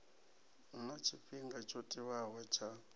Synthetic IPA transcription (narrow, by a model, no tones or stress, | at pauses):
unat͡ʃʰiɸiŋɡat͡ʃʰotʼiβawat͡ʃʰa